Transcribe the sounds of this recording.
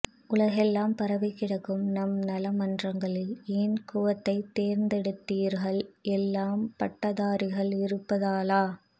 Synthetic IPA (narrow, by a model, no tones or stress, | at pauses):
ʊlɐɣɛlːaːmpɐɾɐʋɐɪkːɪɽɐkːɯmnɐmnɐlɐmɐndrɐŋɡɐɭɪleːnkʊʋɐt̪ːɐɪt̪ːeːɾnd̪ɛɽɯt̪ːiːɾɣɐɭɛlːaːmpɐʈːɐðaːɾɪɣɐɭɪɾɯpːɐðaːlaː